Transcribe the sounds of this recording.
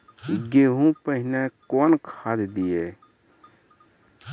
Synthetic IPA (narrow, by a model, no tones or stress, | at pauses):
ɡeːɦũpəɦɪnekɔːnkʰaːd̪d̪ieː